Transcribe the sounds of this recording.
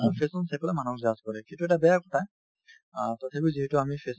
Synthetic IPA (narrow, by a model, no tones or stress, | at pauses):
pʰesɔnsɛpɔlamanɔk̚zaskɔɹɛkĩtuɛtabɛjakɔ̥tʰa | tatʰabiziɦɛtʊamipʰes